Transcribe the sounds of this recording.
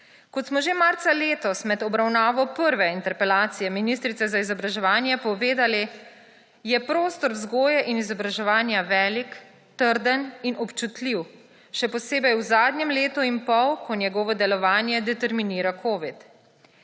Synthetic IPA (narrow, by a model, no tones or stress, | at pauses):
kɔt̪smɔʒemaːɾt̪saleːt̪ɔsmɛd̪ɔbɾawnaːʋɔpəɾʋɛint̪ɛɾpɛlaːt̪sijɛminist̪ɾit̪sɛzaizɔbɾaʒɛʋaːnjɛpɔʋeːd̪ali | jɛpɾoːst̪ɔɾzɡoːjɛʔinizɔbɾaʒɛʋaːnjaʋɛːlik | t̪əɾd̪əninʔɔpt͡ʃut̪liw | ʃɛpɔseːbɛjwzaːd̪njɛmleːt̪uinpɔwkɔnjɛɡɔːʋɔd̪ɛlɔʋaːnjɛd̪ɛt̪ɛɾminiːɾakʰoːʋit̪